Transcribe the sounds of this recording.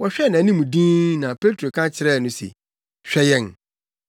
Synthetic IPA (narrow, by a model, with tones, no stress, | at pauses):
wɔ˨ɕᶣɛ˦˨nã˨nĩ˦mũ˨dĩː˦nã˨pʰe˦tʰɾo˨kʰã˦t͡ɕʰɪ˨˦ɾɛ˦˨nʊ̃˦sḛ˨ | ɕᶣɛ˦jɛ˦˨n